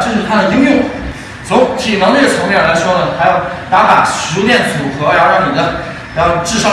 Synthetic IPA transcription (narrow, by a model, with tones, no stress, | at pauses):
ʈ͡ʂɤ˥˧t͡ɕʊ˥˩ʂ̩˥˩t̪ʰa˥ə˨t̪i˥ŋjʊ˥˩ŋ˩˦ | t͡sʰo˧˥ŋt͡ɕʰi˨˩nɑ˧˥ŋnɛ˥˩t͡sʰnɛ˥ə˥˩la˧˥ɪʂwɔ˥nə˨˩t̪ʰa˧˥jɑ˥˩ʊt̪a˧˥pa̰˨˩ʂɻ̩˧˥t̪jɛ˥˩nt͡su˨˩xɤ˧˥jɑ˥˧ʊɻɑ˥˩ŋni˨˩d̪ə˦ | jɑ˥˧ʊʈ͡ʂɻ̩˥˧ʂɑ˥